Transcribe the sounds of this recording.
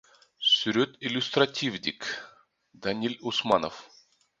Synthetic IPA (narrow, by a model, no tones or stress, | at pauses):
sʲʊɾʲɵt̪ɪlʲʊst̪ɾɐtʲivdʲɪk | d̪ɐnʲilʲʊsmanəf